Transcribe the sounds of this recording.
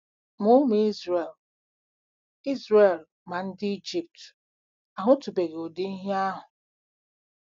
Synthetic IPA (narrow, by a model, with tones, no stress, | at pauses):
mʊ˦m˨˦i˦zɾe˨l | i˦zɾe˨l | ma˨n̩˦dɪ˦i˦d͡ʒi˦p̚t | a˨ɦʊ˦tu˨be˨ɣo˨de˦i˦ɦe˦a˦ɦʊ˨